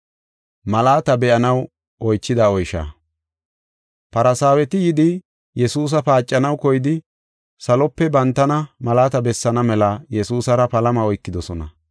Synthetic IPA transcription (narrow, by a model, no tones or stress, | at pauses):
mɐlaːt̪ɐbɛʔɐnɐw | ʔɔjt͡ʃːɪd̪aɔjʃa̰ː | pɐɾɐsaːwɛt̪ɪjɪd̪ɪ | jɛsuːs̬ɐpaːt͡ʃʼːɐnɐwkɔjɪd̪ɪ | sɐlɔpːɛbɐnt̪ːɐnɐmɐlaːt̪ɐbɛsːɐnɐmɛlɐjɛsuːsɐɾɐpɐlɐmɐɔjkːɪd̪ɔsɔnɐ̰